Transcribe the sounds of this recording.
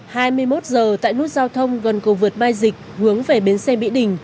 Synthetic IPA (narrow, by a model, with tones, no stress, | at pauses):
haː˧jmɨ˧əjmo˦˥t̚zəː˨˩t̪a̰ː˧˨jnɨ˦˥ək̚zaː˧wt̪ʰə˧wŋ͡mɣə˨˩nkə˨˩vɨ˨˩ət̚maː˧jzï˨˩k̚hɨ˨˦əŋve˨˩ɓe˨˦nsɛ˧ɓḭ˧˥ɗï˨˩ŋ̟